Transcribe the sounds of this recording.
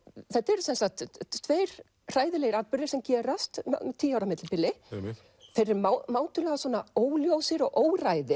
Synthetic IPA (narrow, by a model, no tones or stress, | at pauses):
θɛt̪ːɛɾsɛnsat̪t̪ʰvejɾ̥ | r̥aːjðɪlejɪɾat̪pʏɾðɪɾsɛmcɛːɾast̪t̪ʰiːawɾamɪt̪lɪpɪlːɪ | θejɾɪɾmamaːwt̪ʏlaːɣaswɔːnaoːwljowsɪɾɔɣʔoːwraːjðɪ